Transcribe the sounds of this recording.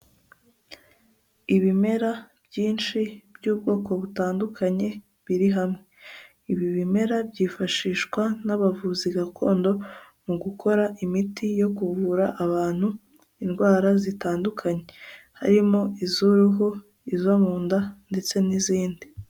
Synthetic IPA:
iβime̞ɾab̥jiːnt͡ʃibjuːb̚ɡo̞ːko̞βutaːndukʰaɲe̞ | βiɾiɦamŋe̞ | iβiβime̞ɾabɟiːfaʃiːʃkwanaβavuziɡakʰo̞ːndo̞ | muɡukʰo̞ɾaʔimitijo̞kuvuɾaʔaβaːn̥hu | inɡwaːɾazitaːndukʰaɲe̞ha̰ɾimo̞izuɾuɦu | izomuːndande̞t͡se̞niziːndi

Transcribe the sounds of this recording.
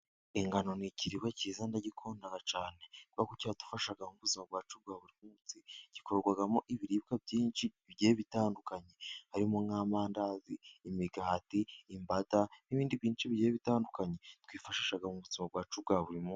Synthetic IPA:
iŋɡano̞niciɾiwecizandaɟikʰo̞ːndaɡat͡ʃaːne̞kuβakuciatu̥faʃaɡamuβuzimab̚ɡaːt͡ʃub̚ɡaːβuɾimuut͡siɟ̥ikoɾoɾɡwaɡamoʔiβiɾiːβkabɟiːnt͡ʃi | βɟeːβitaːndukaɲe̞haɾimoŋŋaːmaːndaziːmiɡaːtiːmbataniβiːndiβjiːnt͡ʃiβɟeβitaːndukaɲe̞twiːfaʃiːʃaɡamuβuzimab̚ɡaːt͡ʃub̚ɡaːβuɾimu

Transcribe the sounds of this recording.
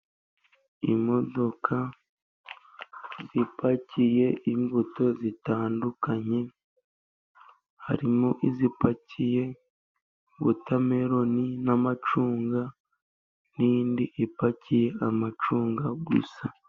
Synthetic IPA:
imo̞do̞kʰa | zipacije̞iɱvuto̞zitaːndukʰaɲe̞ | ha̰ɾimoʔizipacije̞ | βṵtʰameɾo̞ninamat͡ʃuːŋɡa | nindiʔipacije̞ʔamat͡ʃuːŋɡaɡṵsa

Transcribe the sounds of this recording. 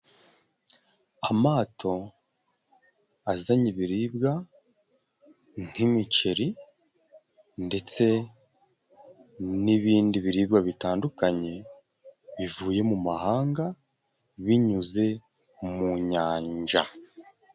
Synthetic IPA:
amaːtʰo̞ | azaɲiβiɾiːbɡa | n̥imice̞ɾi | nde̞t͡se̞ | niβiːndiβiɾiːbɡaβitaːndukaɲe̞ | βivuːje̞mumahaːŋɡa | βiɲuze̞ | muɲaːɲd͡ʒa

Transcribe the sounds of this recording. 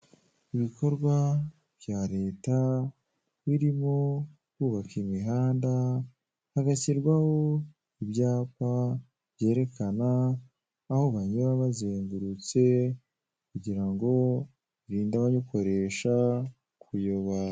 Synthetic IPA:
iβiko̞ɾɡwa | b̥jaːɾe̞ːta | βiɾimo | kuːβakimiɦaːnda | haɡaciɾɡwaho̞ | iβjaːpa | bje̞ːɾe̞kanaː | hoβaɲuβaβazeːŋɡuɾut͡se̞ | kuɟiɾaŋɡo̞ | βiɾiːndaβaɲoko̞ɾe̞ʃa | kʰujoβa

